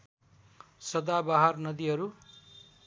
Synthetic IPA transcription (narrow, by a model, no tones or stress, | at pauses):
sʌd̪abaɦarnʌd̪iɦʌɾu